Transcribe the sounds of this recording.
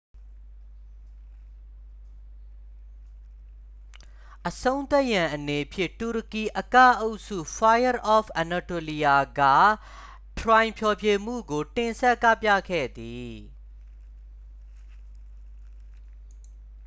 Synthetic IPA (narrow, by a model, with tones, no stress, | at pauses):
ʔəsõ˦ʊ̃nt̪ɛ˦ʔjã˨ʔəne˨pʰjɪ˦˨tu˨ɹəki˨ʔəka̰˦˨ʔo˦ʊʔsṵ˦˨fa˦jə˦ɹʔɔ˨pʰa˨na˨to˨li˨ja˨ɡa̰˦˨ | tʰɹã˨ɪ̃mpʰjɔ˨pʰje˨m̥ṵ˦˨ɡo˨tɪ̃˨sɛ˦ʔkä̰˦˨pjä̰˦˨kʰɛ̰˦˨d̪i˨